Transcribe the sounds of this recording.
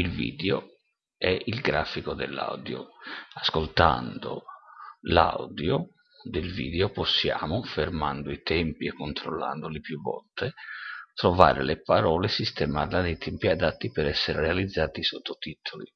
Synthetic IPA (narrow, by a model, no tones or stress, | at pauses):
ilvḭːd̪eo | ɛʔilɡɾaːfikod̪ḛlːa̰wd̪jo̰askolt̪a̰nd̪o̰ | la̰wd̪jo | d̪elvḭːd̪eoposːja̰ːmofermand̪oit̪ɛmpiɛkːont̪ɾolːa̰nd̪olipjuvɔ̰lt̪ʰet̪ɾova̰ːɾḛlepaɾɔːlesist̪ɛmarlad̪ejt̪ʰɛmpiad̪at̪ːipɛɾɛsːeɾerealid̪zːaːt̪isot̪ːot̪it̪ʰoli